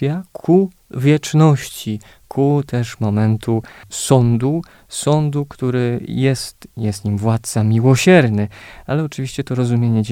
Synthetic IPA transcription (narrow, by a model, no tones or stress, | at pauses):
jakʰu | vʲjɛt͡ʂnɔɕt͡ɕi | kʰut̪ʰɛʂmɔmɛnt̪ʰusɔnd̪u | sɔnd̪ukt̪uɾɘjɛst̪jɛst̪ɲimvwat̪̚t̪samʲiwɔɕɛɾnɘalɛɔt͡ʂɘvʲiɕt͡ɕɛt̪ɔɾɔzumʲjeɲɛd͡ʑ